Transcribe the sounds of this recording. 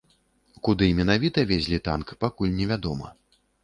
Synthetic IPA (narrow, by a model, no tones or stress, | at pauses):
kud̪ɨmʲɛnavʲit̪ɐvʲezʲlʲit̪a̰nkpakulʲnʲɛvʲad̪ɔmɐ̰